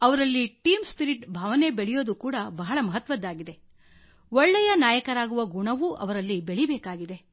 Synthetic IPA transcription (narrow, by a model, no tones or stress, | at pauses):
ɐʋɐɾɐlːiʈiːmspiɾiʈbʱaːʋɐne̞beɭɛjo̞ːd̪ukuːɽɐbɐɦɐɭɐmɐɦɐt̪ʋɐd̪ːaːɡid̪e̞ | ɔɭːɛjɐnaːjɐkɐɾaːɡuʋɐɡuɳɐʋuʔɐ̰ʋɐɾɐlːibeɭibeːkaːɡid̪e̞